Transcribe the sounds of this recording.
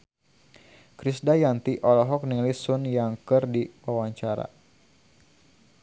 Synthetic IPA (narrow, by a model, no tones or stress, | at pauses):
kɾisdajant̪iʔɔlɔɦɔk̚niŋlisunjaŋkɨrdiwawaɲt͡ʃaɾa̰